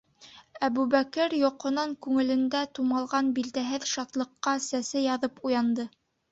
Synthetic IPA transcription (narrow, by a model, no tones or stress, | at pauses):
æβʉβækɘɾjŏqŏnɑŋkʉŋɘ̆lɘ̆nd̪æt̪umɑlˠʁɑnbild̪æɦɘðʃɑt̪lˠɤ̆qːɑsæsɘjɑðɤpujɑnd̪ɤ